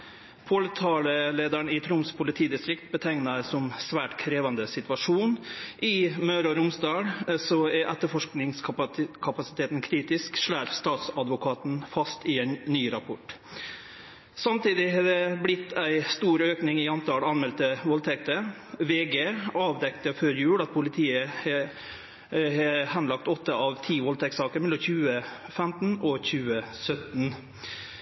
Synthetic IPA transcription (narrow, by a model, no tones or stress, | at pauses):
pʰoːlət̪ʰɑːləleːd̪æɳɪt̪ʰɾʊmspʰʊlɪt̪ʰiːd̪ɪst̪ɾɪkt̪̚bət̪ʰæɪnɑsɔmsʋæːʈkʰɾeːʋɑnd̪əsɪt̪ʋɑʂuːnʔɪmœːɾɔɾʊmsd̪ɑːɽsɔæɾʔɛt̪ːəfɔʂknɪŋskʰɑpɑsɪ̥t̪ʰeːt̪n̩kʰɾiːt̪ɪskʂɭæːɾst̪ɑːt̪sɑd̪ʋʊkʰɑːt̪n̩fɑst̪ɪɛnːyːɾɑpʰɔʈ | sɑmt̪iːd̪ɪɦɑd̪ɛblɪt̪ːæɪst̪uːɾøːknɪŋɪɑnt̪ʰɑːlɑnmɛlt̪əʋɔlt̪ʰɛk̚t̪ə | ʋeːɡeːɑːʋd̪ɛkt̪əføːɾjʉːɽɑt̪̚pʰʊlɪt̪ʰiːəhɛ | hɛhɛnlɑkt̪ɔt̪ʰːəʔɑʋt̪ʰiːʋɔlt̪ʰɛksɑːkəɾmɛlɔmçʉːə | fɛmt̪n̩ɔçʉːəsœt̪n̩